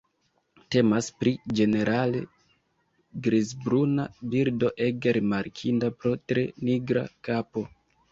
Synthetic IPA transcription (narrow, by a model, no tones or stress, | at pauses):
te̞maspɾid͡ʒe̞ne̞ɾʔale̞̰ | ɡɾizbɾunabiɾdo̞ʔe̞ɡeɾimaɾkʰindapɾo̞tɾe̞niɡɾa̰kapo̞